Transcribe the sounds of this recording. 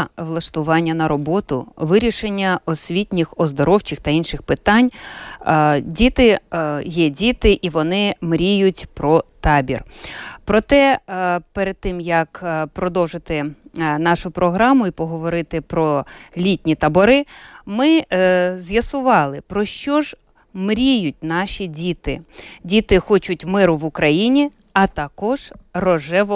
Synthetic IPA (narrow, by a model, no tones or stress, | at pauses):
ʋlˠɐʃt̪ʊʋɑnʲːɐnɐɾɔbɔt̪ʊ̰ʋɪɾʲiʃenʲːɐɔsʲʋʲitʲnʲixɔzd̪ɔɾɔwt͡ʃɪxt̪ɐinʃɪxpɪt̪ɑnʲ | dʲit̪ɪjɛdʲit̪ɪʔiʋɔnɪmɾʲijʊtʲpɾɔt̪ɑbʲḭrpɾɔt̪ɛpeɾed̪̚t̪ːɪmjɐkpɾɔd̪ɔwʒɪt̪ɪnɑʃʊpɾɔɦɾɑmʊipɔɦɔʋɔɾɪt̪ɪpɾɔlʲitʲnʲit̪ɐbɔɾɪmɪzʲjɐsʊʋɑlˠɪpɾɔʃt͡ʃɔʒ | mɾʲijʊt̚ʲnɑʃʲidʲit̪ɪ̰dʲit̪ɪxɔt͡ʃʊtʲmɪɾʊʋʊkɾɐjinʲi | ɐt̪ɐkɔʒ̥rɔʒɛʋɔ